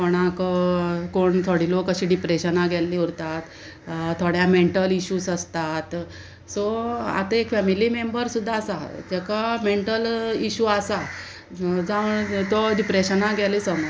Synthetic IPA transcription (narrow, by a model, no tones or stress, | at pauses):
koɽ̃ak | koɳt̪ʰoɽilokːəɕiːɖipɾeɕənaɡʱɛlːiːuɾt̪at̪ | t̪ʰːoɽjameɳʈəliɕuːsəst̪at̪ | soa̰t̪əekfɛmiliːmembəɾsud̪ʱːaːsa̰d͡ʑɛkameɳʈəliɕuːasa | d͡zaʋəɳt̪ɔɖipɾeɕənaɡʱɛliːsəməɾ